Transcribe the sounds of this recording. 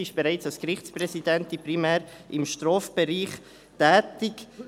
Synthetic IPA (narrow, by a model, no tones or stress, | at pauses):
ɪʃb̥ɛɾaɪt͡sɑlskɾɪχt͡sprɛsidɛntiprimæːɾʔɪmʃtɾɔːfb̥ɛɾiːχ | tɛːtɪk